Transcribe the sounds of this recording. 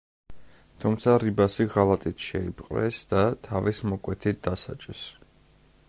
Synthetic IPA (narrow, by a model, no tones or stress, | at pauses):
t̪ʰumt̪sʰaɾibasiʁalˠat̪ʼit̪ʰʃɛipʼqʼɾɛ̰sd̪̥at̪ʰavismɔkʼwɛt̪ʰit̪̚d̪asa̰t͡ʃʼɛs